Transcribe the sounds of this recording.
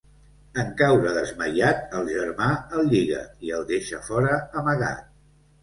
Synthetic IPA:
əŋkawɾəðəzməjat̪̚əlˠʒəɾmaəlˠʎiɣə̰iəlˠd̪eʃə̰fɔɾəːməɣa̰t̪̚

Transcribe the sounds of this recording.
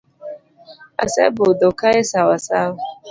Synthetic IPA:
a̰sɛ̰bʊdokajesawasawa

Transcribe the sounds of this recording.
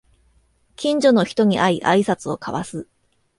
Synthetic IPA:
kʲĩɲ̟d͡ʑo̞no̞çi̥t̪o̞ɲ̟iʔaiʔaisat͡sɨo̞kʰaβasɨ

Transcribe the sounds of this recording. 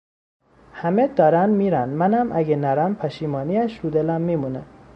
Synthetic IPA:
hæmed̪ɒːɾænd̪miːɾænd̪mænæmʔæɡenæɾæmpʰæʃiːmɒːniæʃɾud̪elæmːiːmune

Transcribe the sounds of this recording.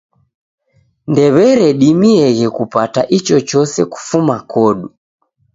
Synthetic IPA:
ndɛβɛɾɛɗimiɛɣɛkupataʔit͡ʃɔt͡ʃɔsɛku̥fumakʰɔɗu

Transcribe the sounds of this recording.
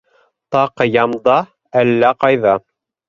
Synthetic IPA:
t̪ɑqjɑmd̪ɑ | ælːæqɑjðɑ

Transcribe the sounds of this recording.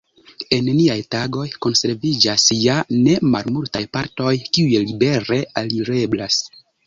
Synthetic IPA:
e̞nniajtaɡo̞jko̞nse̞ɾvid͡ʒasjane̞malmultajpaɾto̞jkiujelibe̞ɾe̞ʔaliɾe̞blas

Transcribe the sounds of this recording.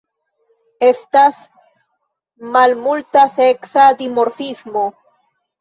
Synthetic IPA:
e̞stas | malmultaseksad̪imoɾfismo̞

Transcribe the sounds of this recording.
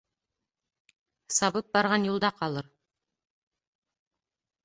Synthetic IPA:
sɑβɤp̚bɑɾʁɑnjulˠd̪ɑqɑlˠɤɾ

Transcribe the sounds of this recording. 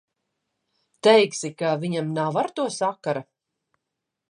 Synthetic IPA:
t̪ɛjksikaviɲamnawvaɾt̪uɔsakːaɾa

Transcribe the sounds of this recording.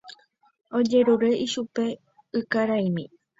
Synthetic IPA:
o̞d͡ʒe̞ɾuɾe̞ʔiʃupe̞ | ɨkaɾaimĩ

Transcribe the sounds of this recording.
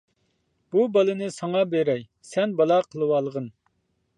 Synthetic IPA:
b̥ubɑlˠɨnɨsɑŋɑbeɾɛj | sɛnbɑlˠɑqʰəlˠɨwɑːlˠəʁən

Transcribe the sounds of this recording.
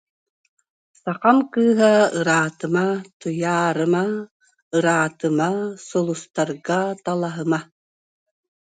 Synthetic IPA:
saqɑmkɯːɦaɯɾaːt̪ɯmat̪ujaːɾɯma | ɯɾaːt̪ɯmasɔlˠust̪aɾɡat̪alˠaɦɯma

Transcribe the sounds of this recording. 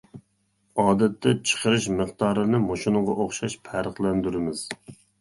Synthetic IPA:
ɑːd̪ɛt̪ʰːɛt͡ʃʰə̥qəɾɨʃməχt̪ɑːɾɨnɨmoʃunɨŋʁɑ̰ʔoχʃɑʃpʰæɾəχlˠɛnd̪yɾɪmɪz̥

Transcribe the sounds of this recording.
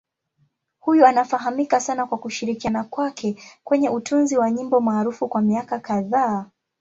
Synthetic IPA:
hujuanafaɦamikasanakwakuʃiɾikianakwakʰɛkwɛɲɛʔutunziwaɲimbɔmaːɾufukwamiakakaðaː

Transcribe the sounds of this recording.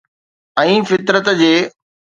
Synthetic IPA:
ɛ̃ːfɪt̪ɾət̪d͡ʑeː

